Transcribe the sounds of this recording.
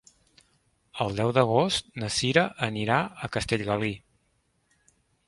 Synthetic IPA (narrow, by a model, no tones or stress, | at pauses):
əlˠd̪ɛwd̪əɣ̞ost̪nəsiɾəʔəniɾaəkəst̪eʎɣəli